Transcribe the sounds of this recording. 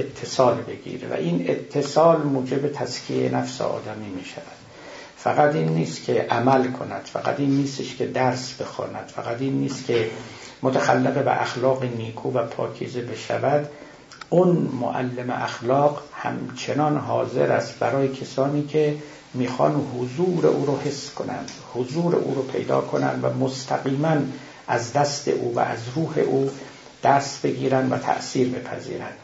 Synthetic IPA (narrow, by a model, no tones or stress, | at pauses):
et̪ʰːesɒːlbe̞ɡḭːɾḛvæ̰ʔiːnet̪ʰːe̞sɒːlmuːd͡ʒebet̪ʰæskʰḭḛnæfsḛɒ̰ːd̪æmiːmiːʃævæd̪̥ | fæɣæt̪iːnːiːst̪kʲʰeʔæmælkʰo̞næ̰d̪̥fæ̰ɡæ̰t̪iːnːiːst̪eʃkʰed̪æɾsbe̞xɒ̰ːnæd̪̥fæ̰ɡæt̪iːnːiːst̪kʲʰe | mot̪ʰæxælːeɣebæ̰ʔæ̰xlɒːɣeniːkʰuːvæpʰɒːkʰḭːzebe̞ʃæ̰væd̪ | unmo̰ʔæ̰lːemḛʔæxlɒːqhæ̰mt͡ʃʰe̞nɒnɦɒ̰ːze̞̰ɾæst̪bæɾɒːjecʰesɒːniːkʰe | miːxɒ̰nhozuːɾḛʔuːɾohesːkʰo̞næ̰nd̪̥hozuːɾḛʔṵːɾopʰe̞̰jd̪ɒ̰ːkʰonæ̰nd̪væ̰most̪ʰæɡiːmæn | ʔæzd̪æst̪e̞̰ʔuːvæ̰ʔæzɾuːhe̞̰ʔuː | d̪̥æɾsbe̞ɡiːɾænd̪væ̰t̪ʰæ̰ʔsiːɾbe̞pʰæ̰zḭːɾænd̪̥